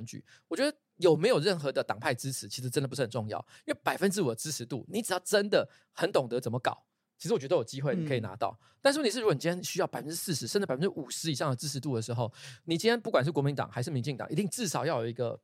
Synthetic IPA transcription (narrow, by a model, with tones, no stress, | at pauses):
nt͡ɕy̰˨˩˦ | wɔ˨˩t͡ɕɥɛ˧˥d̪ə˧ | jo˨˩ʊme˧˥ɪjo˨˩ʊɻə˥˩nxɤ˧˥d̪ə˧t̪ɑ̰˨˩ŋpʰa˥˩ɪʈ͡ʂɻ̩˥ʈ͡ʂʰɻ̩˧˥t͡ɕʰi˧˥ʂɻ̩˧˥ʈ͡ʂə˥nd̪pu˧˩ʂ̩˥˩hə˨˩ʈ͡ʂʊ˥˧ŋjɑ̰˥˩ʊi˥we˥˩pa˨˩ɪfə˥nʈ͡ʂɻ̩˥u˨˩d̪ə˩ʈ͡ʂɻ̩˥ʂʰɻ̩˧˥t̪ṵ˥˩ni˧˥ʈ͡ʂ̩˨˩jɑ˥˩ʊʈ͡ʂə˦nd̪ə˨ | xə˧˥nt̪ʊ˨˩ŋt̪ɤ˧˥t͡sə˨˩mə˦kɑ̰˨˩˦ʊ | t͡ɕʰi˧˥ʂɻwɔ˨˩t͡ɕɛ˧d̪ə˧jo˨˩t͡ɕi˦˥xwe˥˩ɪni˨kʰɤ˧˥i˨˩na̰˧˥t̪ɑ˥˩ʊ | t̪a˥˧nʂ̬ɻ̩˥˩ni˨˩ɻ̩˥˩˧ni˨˩i˥ji˧˩ɕy˥jɑ˥˩ʊpa˨˩ɪfə˦nʈ͡ʂɻ̩˥s̩˥˩ʂɻ̩˧˦ʂə˥˧ʈ͡ʂ̩˧˥˩pfə˦nʈ͡ʂɻ̩˥ʔu˨˩ʂɻ̩˧˦˥i˨˩ʂɑ˥˩ŋd̪ə˩ʈ͡ʂɻ̩˥ʂ̩ʰ˧˦t̪u˥˩d̪ə˩ʂɻ̩˧˥xo˥˧ʊni˨˩t͡ɕi˥njnpu˥˩kwa˨˩nʂ̬̩˥˩kɔ˧mi˧˦nt̪ɑ̰˨˩ŋxa˧˥ɪʂɻ̩˥˩mi˧ŋt͡ɕi˥˩ŋt̪ɑ̰˨˩ŋi˧˥t̪i˥˧ŋʈ͡ʂɻ̩˥˩ʂɑ˨˩ʊjɑ˥˩ʊjo˨˩ʊi˧˥ɡə̰˧